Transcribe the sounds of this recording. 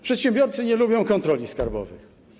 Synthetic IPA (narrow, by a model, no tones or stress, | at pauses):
pʂɛt̪ɕɛmbjɔɾt̪sɘɲɛlubʲjɔ̃w̃kɔnt̪ɾɔlʲiskaɾbɔ̰vɘ̰x